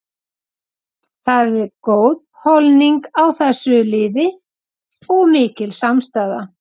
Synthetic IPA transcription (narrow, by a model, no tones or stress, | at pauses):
θaðɛɾkoːwð | hɔlniŋkawθɛsːʏlɪːðɪ | ɔɣmɪːcɪlsamst̪aːða